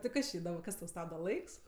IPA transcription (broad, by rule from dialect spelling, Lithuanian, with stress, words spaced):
tɐɪ ˈkɐs t͡ʃʲɪ ɪdoːm ˈkɐs tɐʊ ˈstɑːbdɐ ˈlˠɐɪks